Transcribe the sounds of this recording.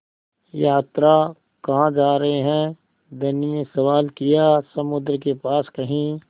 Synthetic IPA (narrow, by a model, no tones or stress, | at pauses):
jaːt̪ɾa | kɐɦãd͡ʒaːɾɐɦeɦɛ̃ː | d̪ɐniesɐʋaːlkijasɐmʊd̪ɾəkepaːskɐɦĩ